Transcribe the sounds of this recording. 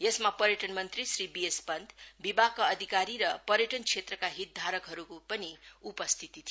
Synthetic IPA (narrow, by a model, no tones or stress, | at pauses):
jesmapʌɾjʌʈʌnmʌnt̪risribiespʌnd̪bibakʌːd̪ʱikaɾiɾʌpʌɾjʌʈʌnkʰet̪rʌkaɦit̪̚d̪ʱaɾʌkɦʌɾukopʌniupʌst̪ʰit̪it̪ʰi